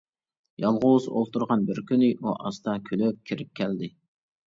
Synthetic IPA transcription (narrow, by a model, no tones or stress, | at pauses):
jɑlˠʁʊzo̰lˠt̪uɾʁɑnbɪɾkʲynɪʔuʔɑst̪ɑkʲʰyløp̚kʲʰiɾɪp̚kʲʰɛld̪ɪ